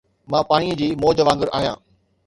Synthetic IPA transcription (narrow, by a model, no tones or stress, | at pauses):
mãːpaːɽ̃iəd͡ʑiːmoːd͡ʑəʋãːŋɡəɾʔa̰ːɦjã̰ː